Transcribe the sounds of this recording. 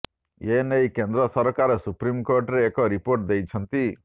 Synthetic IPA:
enejkend̪ɾɔsɔɾkaɾɔsupɾimkoɾʈɾeːkɔɾipoɾʈ̚d̪ejt͡ʃʰɔnt̪i

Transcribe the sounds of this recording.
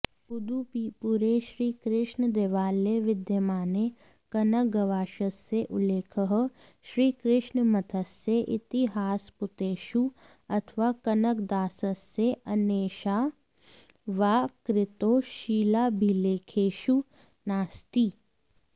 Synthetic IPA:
pʊd̪upuɾeʃɾiːkɾɪʃnəd̪eːʋaːleʋɪd̪jəmaːne | kɐnək̚ɡɐʋaːʃəsːeʔʊleːkʰəɦ | ʃɾiːkɾɪʃnmɐt̪ʰəsːeʔɪt̪ɪɦaːspʊt̪eːʃu | ɐt̪ʰʋakɐnəkd̪aːsəsːeɐneːʃa | ʋaːkɾɪt̪oːʃiːlaːbʱileːkʰeːʃu | naːst̪iː

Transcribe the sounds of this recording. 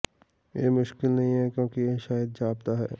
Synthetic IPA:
jemʊʃkɪlnɐɦĩɦɛkjõːkijeʃaːjəd̪̚d͡ʒaːb̚t̪aɦɛː

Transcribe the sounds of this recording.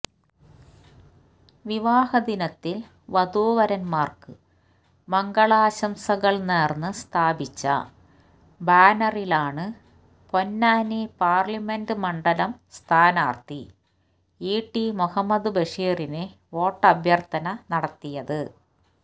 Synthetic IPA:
ʋiʋaːhɐd̪inɐt̪ːil | ʋɐd̪uːʋɐɾɐnmaːrkɨ | mɐŋɡɐɭaːɕɐmsɐɣɐɭneːrnːɨst̪ʰaːbit͡ɕːɐ̰ | baːnɐrilaːɳɨ | po̞nːaːnepaːrlimendɨmɐɳɖɐlɐmst̪ʰaːnaːrt̪i | iːʈːimuhɐmːɐd̪ɨbeʂiːrine | o̞ːʈːɐbʱjɐrt̪ɐnɐnɐɽɐt̪ːijɐðɨ

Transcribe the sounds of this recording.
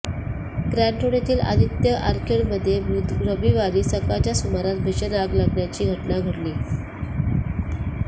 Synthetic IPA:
ɡɾæɳʈoɽjat̪iːlʔa̰d̪ʱit̪jəʔaɾkʰeɽməd̪ʱːjebud̪ɾəbiʋaɾiːsəkat͡ɕjasumaɾat̪̚bʱiɕənaɡlaɡɳjat͡ɕiːɡʱəʈnaɡʱəɽliː

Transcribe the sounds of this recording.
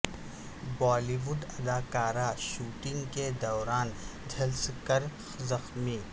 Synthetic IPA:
bɔːliːʋʊɖɐd̪aːkaːɾaʃuːʈɪ̃ŋɡked̪ɔːɾaːnd͡ʒʱɐlskɐɾ | zɐxmiː

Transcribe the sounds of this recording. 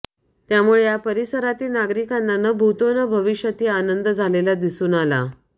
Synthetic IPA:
t̪jamuɭejapəɾisəɾat̪iːnaɡɾikanːanəbʱut̪onəbʱəʋiɕjət̪iːanənd̪əd͡zʱalelad̪isuːnala̰

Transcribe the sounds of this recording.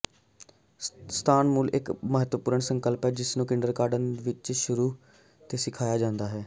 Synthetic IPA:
st̪ʰaːnmuːlɪkməɦət̪ʋəpuːɾəɳsəŋkəlpɦɛːd͡ʒɪsnũːkɪɳɖəɾkaːɾɖənʋɪt͡ʃʃʊɾuː | t̪eːsɪkʰaːjaːd͡ʒãːnd̪aːɦɛː

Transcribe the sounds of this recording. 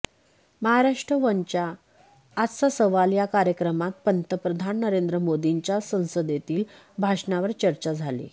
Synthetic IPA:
məɦaɾaʂʈɾəʋəɲt͡ɕaː | sasəʋaljakaɾjəkɾəmat̪̚pənt̪əpɾəd̪ʱanːəɾend̪ɾəmod̪iɲt͡ɕjasə̃w̃səd̪et̪iːl | bʱaʂɳaʋəɾt͡ɕəɾt͡ɕad͡zʱalḭ

